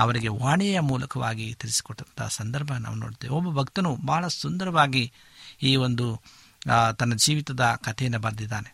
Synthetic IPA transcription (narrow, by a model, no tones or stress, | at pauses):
ɐʋɐɾiɡe̞ʋaːɳɛjɐmuːlɐkɐʋaːɡit̪iɾisi̥kɔʈːɐnt̪ʰɐ̰sɐnd̪ɐɾbʱɐna̰ːʋunoːɽd̪eːʋiobːɐbʱɐkt̪ɐnubaːɐɭɐsund̪ɐɾɐʋaːɡi | iːʋond̪u | t̪ɐnːɐd͡ʒiːʋit̪ɐd̪ɐkɐt̪ʰɛjɐnːɐbɐɾd̪id̪ːaːne